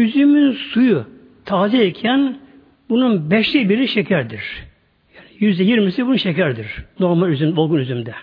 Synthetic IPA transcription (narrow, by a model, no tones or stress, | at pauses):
yzymynsuju | t̪ʰaːziɛcʰɛn | bununbɛʃlʲibiɾiʃecʰæɾd̪iɾ̥ | jaːnijyzd̪ɛjiɾmisibununʃecæɾd̪iɾ̥no̞ɾmalʲyzymolˠɡunyzymd̪ɛ